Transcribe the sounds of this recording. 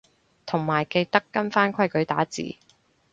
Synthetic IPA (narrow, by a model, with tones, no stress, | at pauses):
t̪ʰʊ˨˩ŋmaː˨˩jke˧jt̪ɐ˥kːɐ˥nfaː˥nkʰɐ˥jkɵ˨˥ɥt̪aː˨˥t͡sḭː˨˩